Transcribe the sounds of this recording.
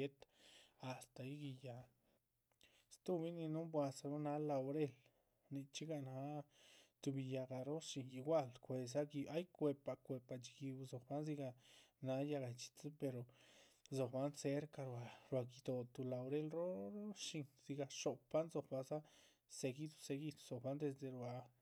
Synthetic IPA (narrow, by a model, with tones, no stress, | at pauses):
e˦t̪a˨st̪a˨i˦ɡi˧ja˨ | st̪u˦bi˦ni˧nu˦mbwa˧sa˧ɾo˦na˧la˧wɾe˦l | ni˧t͡ʃi˦ɡa˧˨na˧˦t̪u˧bi˧ja˧ɡa˨ɾo˦ʃi˧ŋji˧ɡʷa˦lkʷe˧s̬a˦ɡi˧a˦jkʷe˧pa˧˨kʷe˧pa˧˨t͡ʃi˧ɡi˧bzo˨kba˦nzi˧ɡa˧na˧˦ja˧ɡa˧˨jt͡ʃi̥˧t͡spe˧ɾo˨zo˨kba˦nse˧˦ɾka˧ɾwa˨ɾwa˨ɡi˧d̪o˧t̪u˧la˧wɾe˦˧lɾo˦ɾo˦ʃi˧ŋz̥i˧ɡa˧ʃo˨pa˦nzo˨kba˧za˦ | se˧ɡi˦t̪u̥˧se˧ɡi˧t̪u̥˧zo˨kba˧˦nd̪e˧s̬d̪e˨ɾa˨